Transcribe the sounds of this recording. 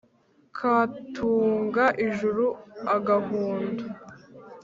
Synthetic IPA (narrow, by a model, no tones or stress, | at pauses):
kʰatʰuːŋɡaʔiʒuɾuaɡaɦuːndu